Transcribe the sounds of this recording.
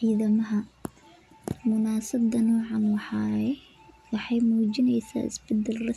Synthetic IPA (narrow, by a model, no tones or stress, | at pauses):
iːðɐmɐɦɐ | mʊnaːsɐbd̪ɐnɔːʕɑnwɑħɑjɛ | wɑħɑjmuːd͡ʒɪnɛjsa̰ːɪ̰sbɐd̪ːɛlrɐ